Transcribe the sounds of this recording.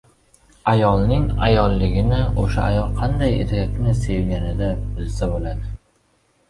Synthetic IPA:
ajɒlˠnɪŋajɒlˠːɪɡʲɪnɪoʃa̰a̰jɒlˠqʰɑnd̪ajḛt̪ʰaak̪ʲnɪse̞vɡʲanɪd̪abɪzsabolad̪ɪ

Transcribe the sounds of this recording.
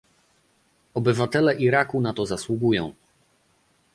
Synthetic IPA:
ɔbɘvat̪ɛlɛʔiɾakunat̪ɔzaswuɡujɔ̃w̃

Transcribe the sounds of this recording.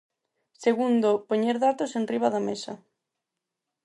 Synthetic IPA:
seɣund̪opoɲeɾðat̪osenriβ̞aðamesa̰

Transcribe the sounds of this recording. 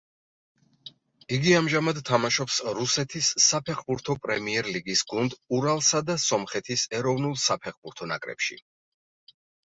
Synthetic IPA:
iɡiamʒamad̪t̪ʰːamaʃɔpsɾusɛt̪ʰisːapʰɛχbuɾt̪ʰɔpʼɾɛmiɛɾliɡisɡund̪uɾalˠsad̪asɔmχɛt̪ʰisɛɾɔvnulˠsapʰɛχbuɾt̪ʰɔna̰kʼɾɛ̰pʃḭ

